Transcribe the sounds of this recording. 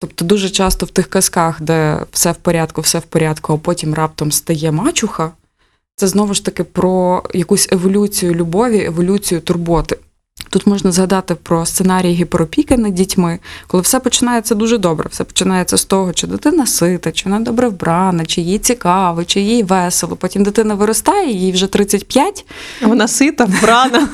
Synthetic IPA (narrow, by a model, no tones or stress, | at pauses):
t̪ɔp̚t̪ɔd̪uʒɛt͡ʃɑst̪ɔwt̪ɪxkɐskɑxd̪ɛwsɛwpɔɾʲɑt̪kʊwsɛwpɔɾʲɑt̪kʊɐpɔtʲimrɑp̚t̪ɐmst̪ɐjɛmɑt͡ʃʊxɐ | t̪sɛznɔʋɪʃt̪ɐkɪpɾɔjɐkusʲeʋɔlʲut͡sʲijʊlʲʊbɔʋʲiʔeʋɔlʲut͡sʲijʊt̪ʊrbɔt̪ɪ | t̪ut̪mɔʒnɐzɦɐd̪ɑt̪ɪpɾɔst̪senɑɾʲijɦɪpɾɔpʲikɐnɪdʲitʲmɪkɔlˠɪwsɛpɔt͡ʃɪnɑjɛt̪sʲɛd̪uʒɛd̪ɔbɾɛ̰wsɛpɔ̥t͡ʃɪnɑjɛt̪sʲɛst̪ɔɦɔt͡ʃɪd̪ɪt̪ɪnɐsɪt̪ɐt͡ʃɪʋɔnɑd̪ɔbɾɛʋbɾɑnɐt͡ʃɪjjijt͡sʲikɑʋɪt͡ʃɪjjijʋɛselˠɔpɔtʲimd̪ɪt̪ɪnɐʋɪɾɔst̪ɑjɛjijwʒɛt̪ɾɪt͡sʲːɐtʲpʲjatʲ | ʋɔnɑsɪt̪ɐbɾɑnɐ